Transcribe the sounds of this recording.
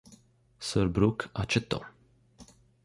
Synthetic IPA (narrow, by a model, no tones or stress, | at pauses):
səɾbɾukat͡ʃɛt̪ːo̰